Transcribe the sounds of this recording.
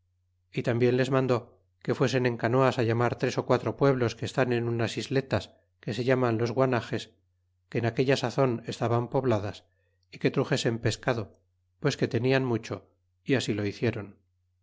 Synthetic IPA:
it̪ambje̞nle̞zmãnd̪o̞ | ke̞fwe̞s̬e̞nẽ̞ŋkanoasaʎamaɾt̪ɾe̞so̞kwat̪ɾo̞pwe̞β̞lo̞ske̞st̪ane̞nunasizle̞t̪as | ke̞se̞ʎamanlo̞zɣwanaxe̞s | keːnake̞ʎasaθo̞ne̞st̪aβampo̞βlaðas | ike̞t̪ɾuxe̞se̞mpe̞skaðo̞ | pwe̞ske̞t̪e̞nianmut͡ʃo̞ | iasilo̞iθje̞ɾo̞n

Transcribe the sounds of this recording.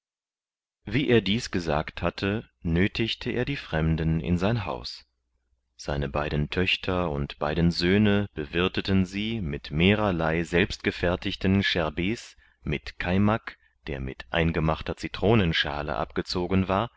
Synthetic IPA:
viːʔeːɐdiːsɡ̥əza̰ːkthatʰə | nøːtʰɪçtʰəʔḛːɐdiːfʁ̥ɛmdənɪ̰nzaɪnɦa̰ʊs | z̥aɪnəbaɪdn̩tʰœçtʰɐʊ̰ntb̥aɪdn̩zøːnəb̥əvɪɐtətənziːmɪtmeːʁɐlaɪzɛlpst̚ɡ̥əfɛɐtɪçtən̩ʃɛɐbeːs | mɪtkʰaɪmak | d̥eːɐmɪ̰tʔa̰ɪnɡəmaχtɐt͡sitʁ̥oːnənʃa̰ːlə̰ʔa̰p̚ɡ̥ət͡soːɡənvaːɐ

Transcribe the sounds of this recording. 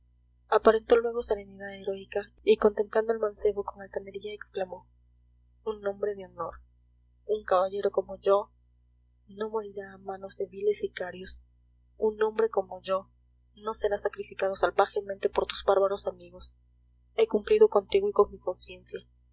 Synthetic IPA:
apaɾe̞nt̪o̞lwe̞ɣ̞o̞seɾe̞niðaðeɾo̞ika | iko̞nt̪e̞mpland̪o̞e̞lmãnse̞βoko̞ŋalt̪ane̞ɾiaeksklamo̞ | unːõ̞mbɾe̞ðeo̞no̞ɾ | uŋkaβaʝe̞ɾo̞ko̞mo̞ʝo̞ | no̞mo̞ɾiɾaːmãno̞zðeβile̞sikaɾjos | unːõmbɾe̞ko̞mo̞ʝo̞ | no̞se̞ɾasakɾifikað̞osalpaxement̪e̞poɾt̪uzβaɾβaɾo̞samiɣo̞s | e̞kumpliðo̞ko̞nt̪iɣoiko̞ŋmiko̞nsje̞nsja

